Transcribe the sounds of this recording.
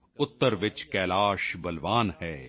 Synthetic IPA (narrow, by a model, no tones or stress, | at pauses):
ʊt̪ːəɾʋɪt͡ʃkɛːlaːʃbɐlʋaːnɦɛː